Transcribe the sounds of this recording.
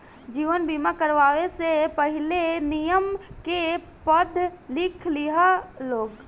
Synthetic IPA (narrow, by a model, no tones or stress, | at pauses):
d͡ʒiːʋənbiːmakəɾʋaːʋesepəɦɪlenijəmke | pəd̪ʱlɪkʰliɦaloːɡ